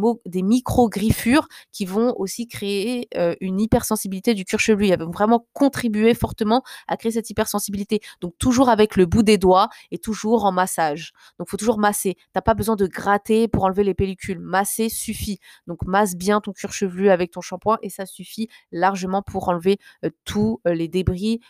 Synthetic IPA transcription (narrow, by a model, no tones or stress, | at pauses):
od̪emikχoɡʁifyʁkʲivɔ̃osikχeeøynipɛʁsɑ̃sibilit̪ed̪ykʲyʁʃəvlyɛlvɔ̃vʁɛmɑ̃kɔ̃t̪χibyefɔʁt̪əmɑ̃a̰kχees̬ɛt̪ipɛʁsɑ̃sibilit̪ed̪̥ɔ̃k̚t̪uʒuʁavɛkləbud̪ed̪waet̪uʒuʁɑ̃masaʒ | d̪ɔ̃kfot̪uʒuʁmaset̪yapabəzwɛ̃d̪əɡʁat̪epuʁɑ̃lvelepelikʲʰylmasesyfi | d̪ɔ̃kmasbjɛ̃t̪ɔ̃kʲyʁʃəvlyavɛk̚t̪ɔ̃ʃɑ̃pwɛ̃ʔesasyfilaʁʒəmɑ̃pʰuʁɑ̃lveøt̪ʰuled̪ebʁi